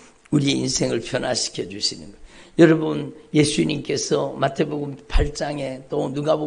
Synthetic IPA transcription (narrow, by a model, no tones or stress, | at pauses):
uɾie̞insʰe̞ŋɯɭpʰjʌnaɕʰi̥kʰjʌd͡ʑuɕʰinɯ̰nɡʌjʌɾʌbunje̞sʰuiɲimk͈e̞sʰʌmatʰe̞boɡɯmpʰaɭt͡ɕ͈aŋe̞t͈onuɡabo